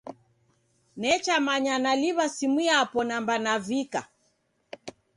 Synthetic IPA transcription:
nɛt͡ʃamaɲanaliβasimiapɔnambanavika̰

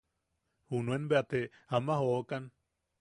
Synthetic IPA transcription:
hunuenbeat̪eamahokan

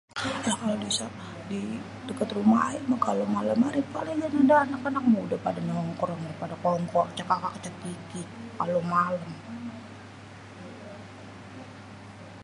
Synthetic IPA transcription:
jahkalobisa | di | dəkət̪ruma̰a̰imakalomaləmaɾipalaɡanadaːnakanak̚mudapadanɔŋkɔɾɔŋpadakɔŋkɔrt͡ʃakakakə̥t͡ʃakikikalomaləm

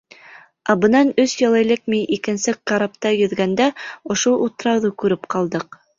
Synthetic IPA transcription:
ɑbɤ̆nɑnɵsjɑlˠɤ̆jlɘk̚miʔikɘ̆nsɘkqːɑɾɑpt̪ɑjɵ̆ðɡænd̪æŏʃoʔut̪ɤ̆ɾɑwðukʉɾɘpqɑlˠd̪ɤq

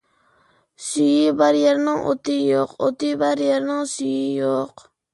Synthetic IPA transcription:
syjɪbaɾjeɾnɪŋʔo̰t̪ɪjoqo̰t̪ɪbaɾjeɾnɪŋsyjɪjoq

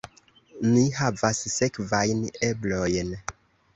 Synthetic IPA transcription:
nihavasːe̞kvajne̞blo̞jn

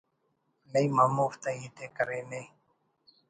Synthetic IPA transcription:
ləiːmaːmoːft̪ãiːt̪eːkəɾeːnẽ

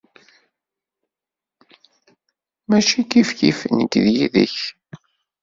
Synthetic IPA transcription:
mæʃikifçḭfənəkðjiðə̰ç

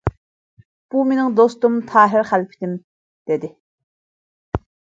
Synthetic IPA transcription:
b̥uminɪŋd̪ost̪ʊmt̪ʰɑːɦɪrχælpʰi̥t̪ɪm | d̪̥ed̪i

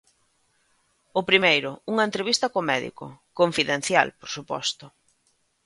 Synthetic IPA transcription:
ʊpɾimejɾʊuŋɐent̪ɾeβ̞ist̪ɐkomɛðḭkʊ̰koɱfiðẽn̟θja̰lpoɾsupɔ̰st̪ʊ

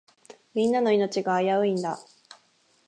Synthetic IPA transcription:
mʲĩnːano̞ino̞t͡ɕiɡaːjaɯ̟ĩnd̪a̰

